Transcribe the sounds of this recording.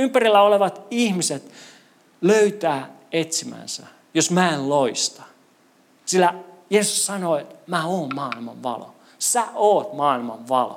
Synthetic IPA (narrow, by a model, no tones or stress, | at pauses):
ympærilːæoleʋɑt̪ihmiset̪ | løyt̪æː | et̪simæ̰nsæ̰ | josmæelloist̪ɑ̥ | silːæjeːsussɑnoːet̪mæoːmmɑːilmɑ̰ʋʋɑ̰lo̰ | sæʔoːt̪mɑːilmɑʋʋɑlo̰